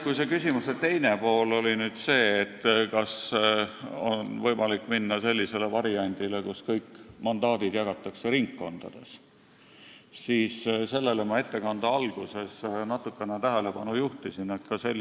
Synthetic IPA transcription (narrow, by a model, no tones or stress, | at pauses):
kujse̞kysʲimuset̪e̞jne̞po̞ːlo̞linyːd̪̥se̞ːt̪ːkɑs | onvɤ̞jmɑlikːˑminːɑse̞lʲːise̞le̞vɑɾiɑnʲd̪̥ilekuskɤjkːˑmɑnd̪ɑːd̪̥id̪̥jɑɡ̥ɑt̪ːˑɑkse̞ɾiŋkːo̞nd̪̥ɑ̰d̪̥e̞̰s | siːsse̞lːe̞lemɑe̞t̪ːe̞kɑnd̪̥ɑɑlɡ̥use̞snɑt̪ːˑukːˑe̞net̪æɦele̞pɑnujuht̪isinet̪kɑse̞lː